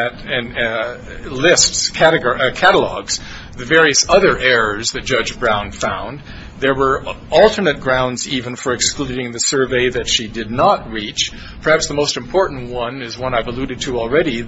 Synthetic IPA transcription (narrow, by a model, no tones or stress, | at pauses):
ɾɨ̃n | lɪstskʰæɾɨɡkʰæɾəl̩ɔ̰ɡz̥ | ðɨvɛɹiɨsʌðə˞ʔɛɹə˞zðɨt̚d̥ʒ̥ʌd͡ʒbɹãʊ̃nfãʊ̃n | ðə˞wə˞ɔlˠtʰə˞nɨt̚ɡ̥ɹãʊ̃ndzivɨ̃nfə˞ɨksklʉɾɪ̃ŋðɨsɜ˞veɪðɨtʃidɨdⁿnət̚ɹit͡ʃ | pʰə˞hæpsðəmoʊstɨ̃m̩pʰɔɹʔn̩ʔwʌ̃nɪzwʌ̃naɪvəlʉɾɨd̚tʰɨl̩ˠɹɛɾi